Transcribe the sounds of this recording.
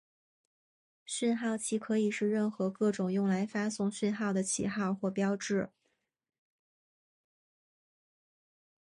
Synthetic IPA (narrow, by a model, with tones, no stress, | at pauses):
ɕy˥˧nxɑ˥˩ʊt͡ɕʰi˧˥kʰɤ˧˥i˨˩ʂɻ̩˥˧ɻə˥˩nxɤ˧˥kɤ˥˩ʈ͡ʂʊ˨˩ŋjʊ˥˩ŋla˧˥ɪfa˥sʊ˥˧ŋɕy˥˧nxɑ˥˩ʊd̪ə˩t͡ɕʰḭ˨˩xɑ˥˧ʊxwɔ˥˩pjɑ˥ʊʈ͡ʂɻ̩˥˩